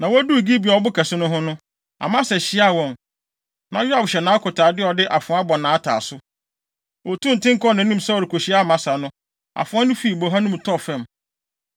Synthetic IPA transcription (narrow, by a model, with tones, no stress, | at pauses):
nã˨wɔ˦æ˦du˦˨ɡi˦bi˨ɔ˨ɔ˨˦bʊ˦kʰɛ˨sɪ˦nʊ̃˦ɦʊ̃˦nʊ̃˦ | a̰˨mã˦sɛ˨ɕɪ˦a˦wɔ̃˨m | nã˨jʊ˦a˨bɕɛ˨nãː˨˦kʰʊ˨tʰaː˨dɪ˦ɔ˨dɪ˦ʔa˨fʊ̃˨˦a˦bɔ˨nã˨a˦tʰa̰ː˨sʊ˦ | wɔ˨tʰũ˦˨n̩˨tɪ̃˦ŋ̩˦kɔ˦nã˨˦nĩ˦m˦sa˦wɔ˨ɾɪ˨kʰo˨ɕi˦a˦˨mã˨sa˨nʊ̃˦ | a̰˨fʊ̃˨˦a˦nʊ̃˦fiː˦˨bo˨ɦã˦nʊ̃˦m˨tʰɔ˦fɛ̃˨m